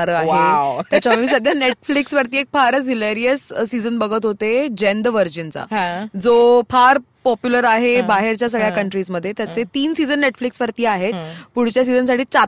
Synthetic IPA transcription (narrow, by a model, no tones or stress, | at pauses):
aɾəaet̪at͡ɕammiːs̬əd̪ʱjaneʈfliksʋəɾt̪iːek̚faɾsileɾiəssid͡zənbəɡʱət̪ɦot̪ed͡ʑend̪ʋəɾd͡ʑint͡sã̰d͡zopʰaɾ | pɔpjuləɾaɦebaɦeɾt͡ɕjas̬əɡɭjakəɳʈɾiːsməd̪ʱːjet̪jat͡set̪iːnsid͡zənːeʈfliksʋəɾt̪iːaɦet̪puɽ̤t͡ɕjas̬id͡zəns̬aʈʰiːt͡sa